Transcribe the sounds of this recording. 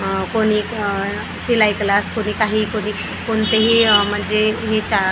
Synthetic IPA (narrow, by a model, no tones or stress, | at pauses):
koni | silajklaskonikaɦikoni | kont̪eɦimənd͡ʒeɦet͡ʃa